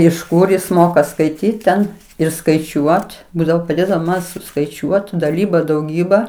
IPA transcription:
ɪʃ ˈkʊr ˈjɪs ˈmoːkɐ skɐɪˈtʲiːt tʲɛn ɪr skɐɪˈt͡ʃʲuɔt ˈbuːdɐʋoː pɐˈdʲeːdɐʋoː mɐn sʊskɐɪˈt͡ʃʲuɔt dɐˈlʲiːbɐ dɐʊˈɡʲiːbɐ

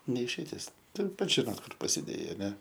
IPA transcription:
nʲɛ ɪʃʲɛɪˈtʲɪs ˈtʊr ˈpɐts ʒʲɪˈnoːt ˈkʊr pɐsʲɪˈdʲeːjɛɪ ɐˈnʲɛ

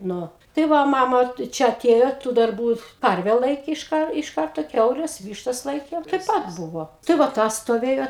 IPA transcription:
ˈnʊ tɐɪ ˈʋɐ ˈmɑːmɐ tɐɪ ˈt͡ʃʲɛ ɐˈtʲeːjoː tuː dɐrˈbuː ˈkɐrʲʋʲɛ ˈlˠɐɪkʲeː ɪʃ ˈkɐr ɪʃ ˈkɐrtoː ˈkʲɛʊlʲɛs ˈʋʲiːʃtɐs ˈlˠɐɪkʲeːm tɐɪ ˈpɐt ˈbʊʋoː tɐɪ ʋɐ ˈtɐs stoːˈʋʲeːjoː

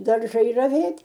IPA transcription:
dɐrˈʒɐɪ rɐˈʋʲeːtʲ

